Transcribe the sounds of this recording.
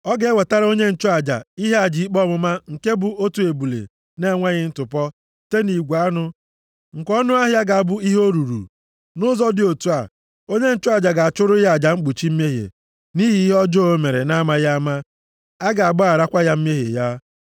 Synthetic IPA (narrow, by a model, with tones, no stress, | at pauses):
ɔ˦ɡe˨e˦we˨ta˦ɾa˦o˦ɲe˦n̩˦˨t͡ʃʊ˦a˨d͡ʒa̰˨i˦ɦe˦a˨d͡ʒi˨i˦k͡pɔ˦˨mʊ˦ma˦ŋ̩˨ke˦bʊ˨o˦tu˨e˨bu˨lḛ˨ | ne˦ŋʷa˦ɣɪ˦n̩˦tʊ˨pɔ˦ | te˦ni˨ɡʷa˦nʊ˦ | ŋ̩˨kɔ˦nʊ˦a˦ɦja˦ɡa˨a˨bʊ˦i˦ɦo˦ɾu˨ɾṵ˨ | nʊ˦zɔ˦dɪ˨o˨tu˦a˨ | o˦ɲe˦n̩˦t͡ʃʊ˦a˨d͡ʒa˨ɡa˨a˨t͡ʃʊ˦ɾʊ˦a˨d͡ʒa˨m̩˦k͡pu˨t͡ʃi˦m̩˦me˦ɦḛ˨ | ni˦ɦi˦ɦe˦ɔ˦d͡ʒɔ˦o˦me˨ɾḛ˨na˦ma˦ja˦a˦ma˦ | a˦ɡa˨a˨bʊ˦a˨ɾa˦kʷa˦ja˦m̩˦m˦e˦ɦḛ˨ja˦